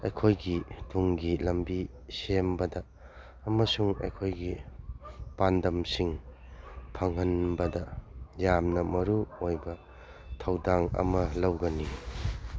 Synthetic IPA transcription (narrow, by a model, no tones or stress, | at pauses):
ɐjkʰojɡituŋɡilɐmbi | sembɐdɐː | mɐsuŋḛjkʰojɡi | pandɐmsiŋ | pʰɐŋɦɐnbɐdɐjamnɐmɐɾuojbɐ | tʰɐwdaŋɐ̰mɐlɐwɡɐni